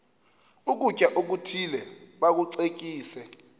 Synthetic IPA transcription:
uk̬ʼucʼaʔok̬utʰilɛ | ɓak̬uǀek̬ʼiːsɛ

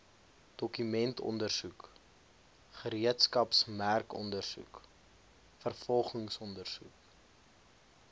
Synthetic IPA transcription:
d̥ɔkymɛntʰɔ̰ndərsuk | χəɾiətskɐpsmærkɔ̰ndərsṵk | fərfɔlˠχəŋsɔndərsuk

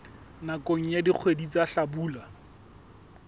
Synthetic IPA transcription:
nakoŋ̩jadik͡xʰwedit͡saɬabuːla

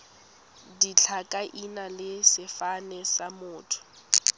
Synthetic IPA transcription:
dit͡ɬʰakʼaʔinalɪsɪfanɛsamʊːtʰʊ̥

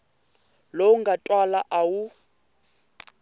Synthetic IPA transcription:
louŋɡatʼwalaʔawu

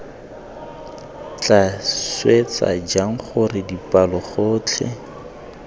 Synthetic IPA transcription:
t͡ɬʼaswet͡sa̰d͡ʒaŋ̩χʊrɪdipʼalɔχʊːt͡ɬʰɛ̰

